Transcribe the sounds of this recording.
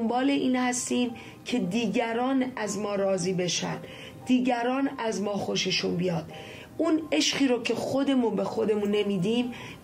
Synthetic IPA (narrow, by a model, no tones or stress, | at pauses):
mbɒːle̞ʔiːnhæst̪iːm | cʰe̞d̪iːɟæɾɒːnæzmɒːɾɒːziːbe̞ʃæ̰nd̪ | d̪̥iːɟæɾɒːnæzmɒːxo̞ʃeʃunbijɒːd̪̥ | une̞ʃχiːɾocʰe̞xo̞d̪e̞munbe̞xo̞d̪e̞munːe̞miːd̪iːm